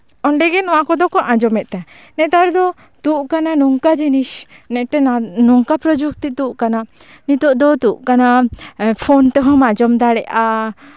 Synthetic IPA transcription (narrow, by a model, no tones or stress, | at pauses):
ɔɳɖɛɡɛnɔwakɔd̪ɔkɔʔãd͡ʒɔmɛt̪̚t̪ɛ | nɛt̪aɾd̪ɔ | t̪uʔkananɔŋkad͡ʒinisnɛʔʈɛnanɔŋkapɾɔd͡ʒuk̚t̪it̪uʔkana | nit̪ɔʔd̪ɔt̪uʔkanapʰɔnt̪ɛɦɔ̃mad͡ʒɔmd̪aɽɛʔa